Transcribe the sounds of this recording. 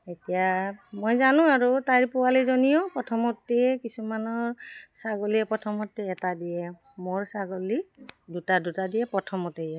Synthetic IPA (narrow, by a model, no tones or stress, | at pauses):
etijamojzanʊ̃aɹutaɹipɔwalizɔnijɔpɹɔtʰɔmɔtːiɛkisumanɔɹsaɡɔliɛpɹɔtʰɔmɔtːɛɛtadijɛ | moɹsaɡɔlidutadutadijɛpɹɔtʰɔmɔtejɛ